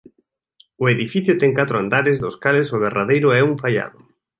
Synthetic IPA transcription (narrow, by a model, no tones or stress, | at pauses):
ʊeðifiθjʊt̪ɛŋkat̪ɾʊand̪aɾɪzðʊskalesʊβeraðejɾʊɛuɱfaʎa̰ðʊ